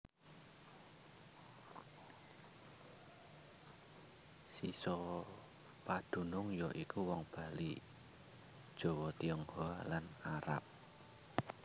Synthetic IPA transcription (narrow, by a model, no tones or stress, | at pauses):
sisɔ | pad̪̥ṳnʊŋjɔʔikuwɔŋb̥a̤lḭ | d̥ʒ̥o̤wɔt̪iɔŋhoalanaɾa̰p̚